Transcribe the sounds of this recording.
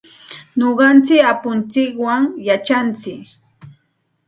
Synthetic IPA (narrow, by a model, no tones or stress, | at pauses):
noɢɑnt͡sɪkapʊnt͡sɪkwaŋjat͡ʃant͡sɪk